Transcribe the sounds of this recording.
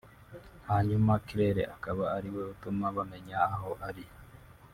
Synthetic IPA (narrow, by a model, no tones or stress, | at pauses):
haɲumakiɾeɾḛʔakaβaːɾiweut̪umaβameɲaːɦoʔaɾi